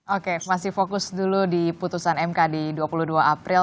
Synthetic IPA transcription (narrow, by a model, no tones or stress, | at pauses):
okemasɪhfokʊsduludiput̪usanɛmkadiduapuluduaapɾɪ